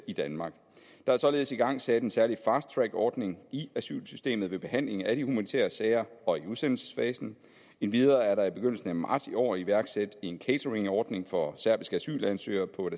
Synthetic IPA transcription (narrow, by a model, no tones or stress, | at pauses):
id̥ænmɑ̈ːɡ̥ | d̥ɑ̈æɐsɒ̽le̝ːð̞̩ˠsiɡ̥ɑ̈ŋ̰sæd̥e̝nsæɐlifɑ̈ːsd̥̚t͡sʰʁæɡ̥ɒːd̥ne̝ŋiæsy̰ːlsysd̥e̝̰ːmð̩ˠʋe̝b̥e̝hæn̰le̝ŋæd̥ihumænit͡sʰḛːɐsɛːɪɐɒ̽iuðˠsen̰l̩sə̥sfɛːsn̩ | e̝nʋið̞ˠɐːæɐɾɑ̈ib̥e̝ɡ̥øn̰l̩sn̩æmɑ̈ɐd̥iɒ̰ːiʋæɐɡ̥sed̥enkʰeɪt͡sʰɐʁe̝ŋɒːd̥ne̝ŋfɒ̽sæɐb̥i̥sɡ̥əæsy̰ːlænsø̰ːɐpʰɒ̽